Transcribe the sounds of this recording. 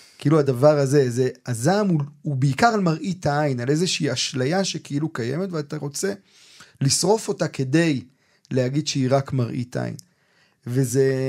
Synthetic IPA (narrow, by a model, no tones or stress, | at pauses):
kiiluadavaʁaze̞ze̞azamuubeikaʁalmaʁʔitaajnalezeʃiːaʃlajaʃekeilukajeme̞tveat̪aʁo̞t͡se̞ | lisʁo̞fo̞take̞de̞j | leaɡid̪ʃeiʁakmaʁʔḭt̪ʔa̰jḭn | ve̞ze